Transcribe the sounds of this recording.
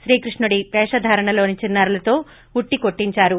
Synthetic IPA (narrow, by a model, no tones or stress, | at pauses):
ʃɾiːkɾiʂɳuɽipɛːʂɐd̪ʱaːɾɐɳɐlo̞ːnit͡ʃinːaːɾulɐt̪o̞ː | uʈːiko̞ʈːiɲt͡ʃaːɾu